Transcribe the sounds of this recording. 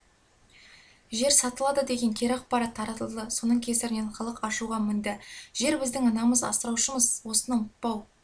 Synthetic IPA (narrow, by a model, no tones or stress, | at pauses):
ʒe̞ɾsɑt̪əlˠɑd̪əd̪e̞ɡʲe̞ŋkʲʰeɾɑq̚pɑɾɑt̪ʰːɑɾɑt̪əlˠd̪əso̞nəɴkʲʰe̞sɪɾɪnenqʰəlˠəqɑʃuʁɑmɪnd̪ɪʒe̞ɾbɪzd̪ɪŋɑnɑməzɑ̰səɾɑwʃəməzwo̞sənɑmʊt̪̚pɑw